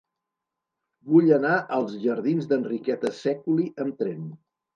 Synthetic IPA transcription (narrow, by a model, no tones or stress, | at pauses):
buʎənaʔəlˠzʒəɾðinzd̪ənrikɛt̪əsɛkuliʔəmt̪ɾen